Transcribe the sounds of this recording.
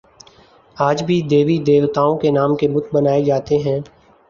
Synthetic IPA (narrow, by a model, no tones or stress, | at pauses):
aːd͡ʒbʱid̪eːʋid̪eːʋt̪aːõkenaːmkebʊd̪bɐnaːed͡ʒaːt̪eɦɛ̃ː